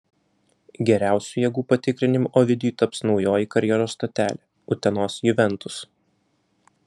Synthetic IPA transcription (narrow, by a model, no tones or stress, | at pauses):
ɡʲɛɾʲæˑʊsʲuːjɛɡuːpɐt̪ʲɪkɾʲɪnʲɪmuʔoːʋʲɪd̪ʲjuːt̪ɐpsnɒʊjoːjikɐɾʲjɛɾoːst̪oːt̪ʲæːlʲɛː | ʊt̪ʲɛnoːsjʊʋʲɛnt̪ʊs